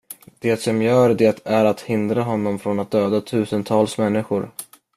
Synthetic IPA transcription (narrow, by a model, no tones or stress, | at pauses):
d̪̥eːt̪sɔmjœːɾɖ̪ɛt̪ʰæɾat̪hɪnd̪ɾaɦɔnːɔmfɾɔnat̪̚d̪øːd̪at̪ʰʉ̟ːsənt̪ʰɑːlsmɛnːɪɧʊɾ